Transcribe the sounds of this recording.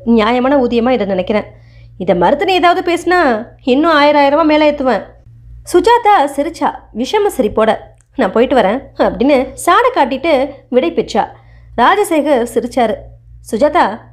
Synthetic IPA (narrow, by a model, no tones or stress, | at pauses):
njaːjɐmaːnɐuːðɪjɐmaːɪðɐnɪnɛkːɪɾẽː | ɪðɐmɐɾɯt̪ːɯnɐeːðaːʋɐðɯpeːsɯnaːɪnːɯ̃aːjɪɾaːjɪɾɐmãːmeːlɐɛɾt̪ːɯʋẽː | sʊd͡ʒaːt̪aːsɪɾɪt͡ʃːa̰ːʋɪʂɐmɐsɐɾipːoːɽɐ | nãːpoːjɪʈːɯʋɐɾẽːɐpːɐɽɪnːɯsaːɽɐkːaːʈ̬ːɪʈːɯʋɪɽɐɪpɪʈt͡ʃa̰ː | ɾaːd͡ʒɐsɐɪɣɐɾsɪɾɯt͡ʃːaːɾɯsʊd͡ʒaːt̪aː